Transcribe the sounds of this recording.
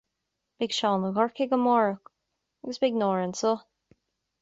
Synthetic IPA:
b̥ɪɡʃɔːnəɣɔɹkɪɡəmɔɹək | aɡəsbɪɡnɔɹənso

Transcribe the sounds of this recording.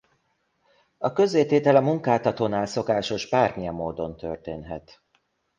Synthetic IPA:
ɒkø̞zːeːt̪eːt̪ɛlɒmuŋkaːt̪ɒt̪oːnaːlso̞kaːʃo̞ʒbaːrmijɛmːoːd̪o̞nt̪ø̰rt̪ḛːnɦɛ̰t̪

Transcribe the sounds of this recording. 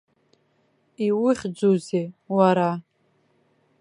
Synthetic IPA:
iwɪχʲd͡zozewaɾa

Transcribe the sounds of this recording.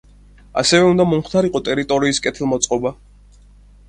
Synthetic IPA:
a̰sɛvɛund̪amɔmχt̪ʰaɾiqʼɔt̪ʼɛɾit̪ʼɔɾiːskʼɛt̪ʰɛlˠmɔt̪sʼqʼɔba

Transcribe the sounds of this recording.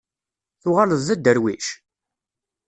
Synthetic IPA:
θʊʁaləzæd̪əɾwiʃ

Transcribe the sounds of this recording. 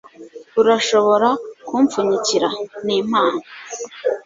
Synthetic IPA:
uɾaʃo̞βo̞ɾakuːɱfuɲiciɾaniːmaːna

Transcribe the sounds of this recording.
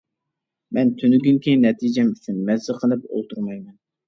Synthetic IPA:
mɛnt̪ʰynyɡʲyŋkʲʰinɛt̪ʰid͡ʒɛmyt͡ʃʰynmɛzɨqʰəlˠɨpo̰lˠt̪ʰuɾmɑjmɛn

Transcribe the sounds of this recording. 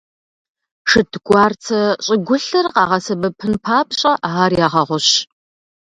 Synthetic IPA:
ʂɨtʰɡʷɑːrt͡sʰɐɕʼɪɡʷʊɬɐrqɑ̰ːʁɐsɐbɐpʰɨnpʰaːpʰɕʼɐʔaːrjaːʁɐʁʷʊɕ

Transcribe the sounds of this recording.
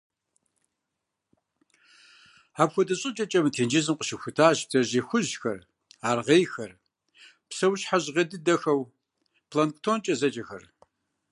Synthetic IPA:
aːpxʷɔdɐɕʼɨt͡ʃʼɐt͡ʃʼɐmɨtʰeːnd͡ʒɪzɨmqəʃɪxʷʊtʰaːʑtʰɐʑeːxʷʊʑxɐ̰r | aːrʁeːjxɐr | psɐwɕħaʑʁɐdɨdɐxɐw | pʰlanktʰoːnt͡ʃʼɐzɐt͡ʃʼɐxɐ̰r

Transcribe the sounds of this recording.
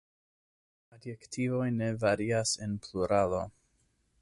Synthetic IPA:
adjektʰivo̞jne̞vaɾiase̞npʰluɾalo̞

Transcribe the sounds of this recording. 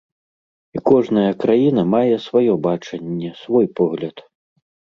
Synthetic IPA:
ikɔʐnɐjɐkɾajinɐmajɛsvajɔbat͡ʂɐnʲːɛsvɔjpɔɣlʲɐt̪

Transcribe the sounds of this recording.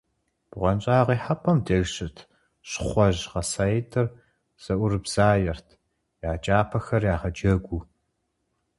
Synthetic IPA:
b̥ʁʷɔnt͡ʃʼaːʁiːħapʰɐmdɐɣɕɪtʰ | ɕχʷɔʑʁɐsajɪtʰʼɨr | z̥ɐʔʷʊrɨbz̥aːjɛrtʰ | jaːt͡ʃʼaːpʰɐxɐrjaːʁɐd͡ʒɐɡʷu

